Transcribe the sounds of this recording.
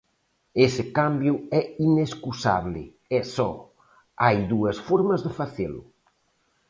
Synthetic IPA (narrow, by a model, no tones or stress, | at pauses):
esɪkambjʊɛineskusa̰βlɪ̰ | ɛsɔ̰ | ajðuɐsfɔɾmɐzðɪfaθelʊ̰